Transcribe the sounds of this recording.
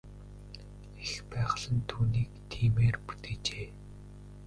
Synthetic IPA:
expæːʁə̆ɮə̆nt̪ʰuːniːkt̪ʰiːmeːrpu̥t̪eːt͡ɕeː

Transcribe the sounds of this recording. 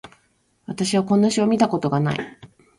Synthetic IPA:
βat̪aɕiβ̞akõ̞nːaɕio̞mʲit̪ako̞t̪o̞ɡana̰ḭ

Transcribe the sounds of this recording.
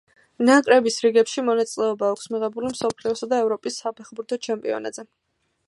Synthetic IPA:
nakʼɾɛbisɾiɡɛpʃimɔnat̪sʼilɛɔbaːkʰsmiʁɛbulimsɔpʰliɔsad̪aɛvɾɔpʼisːapʰɛχbuɾt̪ʰɔt͡ʃʰɛmpʼḭɔ̰na̰d̪z̥ɛ

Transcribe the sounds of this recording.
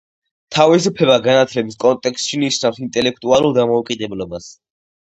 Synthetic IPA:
t̪ʰavisupʰlɛβaɡanat̪ʰlɛbiskʼɔnt̪ʼɛkst̪ʃiniʃnafsint̪ʼɛlɛk̚ʰt̪ʼualˠulˠd̪amɔukʼid̪ɛblɔbas

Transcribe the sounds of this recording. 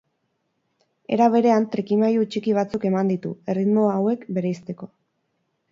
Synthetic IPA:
e̞̰ɾaβ̞e̞ɾe̞ant̪ɾikimajut͡ʃikiβ̞at͡suke̞mand̪it̪ṵe̞rid̪mo̞aːwe̞kbe̞ɾeist̪e̞ko̞

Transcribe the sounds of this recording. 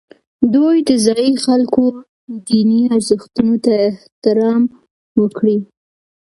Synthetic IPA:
d̪ojd̪əzɑjixalko | d̪iniaɾzəxt̪unot̪aɪht̪ɪɾɑm | wəkɽi

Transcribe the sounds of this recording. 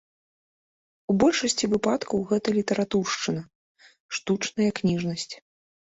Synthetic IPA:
ubɔlʲʂɐsʲt͡sʲivɨpat̪kʰɐwɣɛt̪ɐlʲit̪ɐɾʔat̪urʂt͡ʂɨnɐ | ʂt̪ut͡ʂnɐjɐknʲiʐnɐsʲt͡sʲ

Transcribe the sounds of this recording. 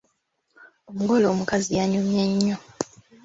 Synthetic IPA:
omuɡo̞lo̞ːmukazijaɲumjeɲːo

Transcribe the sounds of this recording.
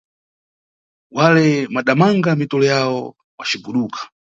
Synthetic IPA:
walɛmaɗamaŋɡamitɔlɔjawɔ | wa̰t͡ʃibuɗuːkʰḁ

